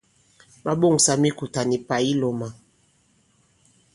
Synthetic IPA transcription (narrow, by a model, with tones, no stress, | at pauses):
ba˦ɓo˦˨ŋ˨sa˨mi˦ku˨ta˨ni˨pa˨i˦lɔ˨ma˨